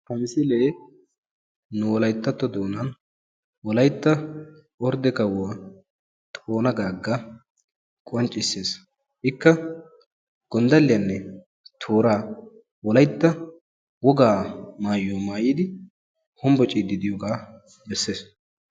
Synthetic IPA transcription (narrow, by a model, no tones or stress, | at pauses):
tɐmɪsɪleː | nʊwɔlɐjt̪ːɐt̪ːɔd̪oːnɐn | wɔlɐjt̪ːɐ | ɔɾd̪ɛkɐwɐ | t̪ʼoːnɐɡaːɡːɐ | kʼɔnt͡ʃʼːɪsːeːs | ʔɪkːɐ | ɡ̥ɔnd̪ɐlːɪjɐnːɛ | t̪ʰoːɾaː | wɔlɐjt̪ːɐ | wɔɡaːmaːjːoːmaːjiːd̪ɪ | hʊmbɔt͡ʃʼiːd̪ɪd̪ɪjɔɡaː | bɛsːeːs